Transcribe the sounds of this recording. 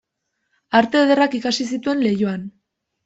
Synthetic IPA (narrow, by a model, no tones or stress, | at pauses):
aɾt̪e̞ð̞e̞rakikasisit̪ue̞nle̞jo̞an